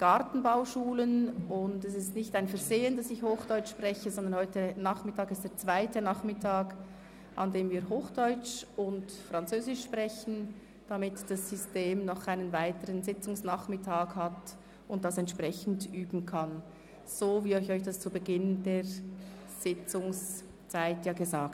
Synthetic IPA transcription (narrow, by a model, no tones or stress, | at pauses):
ɡ̥ɑʁtn̩baʊʃuːlənʊndɛs̬ɪstnɪçtaɪnfɛɐzeːəndɑsɪçhoːxd̥ɔʏt͡ʃʃpʁɛçəzɔndɐnhɔʏtənaːχmɪtʰaːkɪstd̥eːɐt͡sv̥aɪtənaχmɪtʰaːɡ | ʔɑ̰ndeːmviːɐɦoːxd̥ɔʏt͡ʃʊntfrɑnt͡søːzɪʃpʁɛçn̩ | d̥amɪtd̥asːʏsteːmnɔχʔaɪnənvaɪtəɾənzɪt͡sʊŋsnaχmɪtʰaːkhat | ʊnt̚d̥asɛntʃpʁ̥ɛçn̩dʔyːbn̩kʰan | z̥oːviːɔʏçɔʏçd̥ast͡subəɡɪnd̥eːʁ | z̥ɪt͡sʊŋs | t͡saɪtjaːɡəzaːk